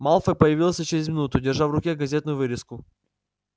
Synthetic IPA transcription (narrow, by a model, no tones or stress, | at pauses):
malˠfəpəjɪvʲilˠəsʲt͡ɕɪɾʲɪzʲmʲɪnut̪ʊdʲɪrʐafvrʊkʲeɡɐzʲet̪nʊjʊvɨɾʲɪskʊ